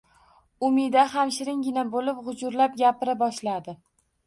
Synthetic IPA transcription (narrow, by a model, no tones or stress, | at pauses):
ʊmɪd̪aɦamʃɪɾɪŋɡʲɪnabolɪpʁʊd͡ʒʊɾlap̚ɡʲapɪɾabɒʃlad̪ɪ